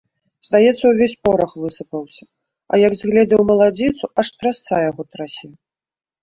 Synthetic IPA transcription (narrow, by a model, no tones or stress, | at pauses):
zd̪ajɛt̪sːɐwvʲesʲpɔɾɐxvɨsɨpɐwsʲɐ̥ | ɐ̰jɐɡzʲɣlʲɛd͡zʲɛwmɐlˠad͡zʲit̪suɐʂt̪ɾast̪sajaɣɔt̪ɾasʲi